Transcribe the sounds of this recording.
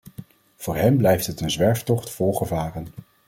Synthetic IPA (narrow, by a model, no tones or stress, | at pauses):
v̥ʊːɹɦɛmblɛjftɦətənzʋɛɹftɔχtfɔlˠχəvaːrən